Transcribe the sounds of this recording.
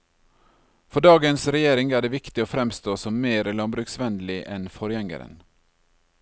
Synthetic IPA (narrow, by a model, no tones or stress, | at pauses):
fɔɖɑːɡənsɾɛjeːɾɪŋæːɖeːʋɪkt̪ɪoːfɾɛmst̪oːsɔmːeːɾəlɑmbɾʉːksʋɛnd̪l̩ɪʔɛnfɔɾjɛŋə̰ɾə̰n